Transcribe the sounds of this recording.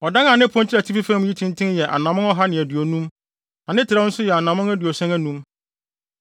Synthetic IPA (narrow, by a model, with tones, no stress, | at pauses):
ɔ˨dã˦na˨nɪ̃˦pʰɔ̃˦nt͡ɕʰɪ˦ɾæ˨tʰi˦fi˦fã˦m̃˦ji˦tʰɪ̃˦ntʰɪ̃˦njɛ˨ʔa̰˨nã˨mʊ̃˦ŋɔ˦ɦa˦nɪ̃˨æ˨dɥo˨nũ˦m | a˨nɪ̃˦tʰɪ˨ɾa˦n̩˦sʊ˦jɛ˨a˨nãː˨mʊ̃˦ŋæ˦dɥo˨sɛ̃˦næ˦nũ˦m